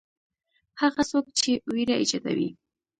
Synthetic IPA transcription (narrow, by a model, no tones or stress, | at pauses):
haɣasok̚t͡ʃewiɾaɪd͡ʒɑt̪a̰wḭ